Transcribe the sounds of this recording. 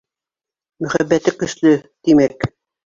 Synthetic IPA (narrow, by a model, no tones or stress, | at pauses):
mɵ̆χæbːæt̪ɘkɵ̆slɵt̪imæk